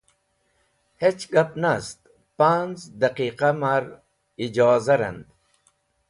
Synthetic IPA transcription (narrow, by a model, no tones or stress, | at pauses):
het͡ɕɡɐpnast̪ | panzd̪ɐqiːqamaɾ | id͡ʑaːzɐɾɐ̰nd̪